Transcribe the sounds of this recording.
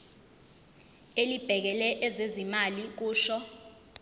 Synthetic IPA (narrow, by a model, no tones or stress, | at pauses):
elib̥ʱɛk̬ɛlɛʔɛzezimalik̬uːʃɔ